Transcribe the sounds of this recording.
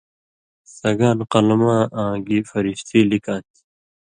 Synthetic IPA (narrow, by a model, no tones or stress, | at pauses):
sɐɡaːnqɐlmãːʔãːɡiːfɐɾiɕt̪ʰiːlikãːt̪ʰi̥